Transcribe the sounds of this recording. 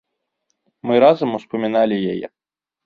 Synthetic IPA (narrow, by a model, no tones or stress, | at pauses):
mɨɾazɐmuspɐmʲinalʲɪjɛjɛ̰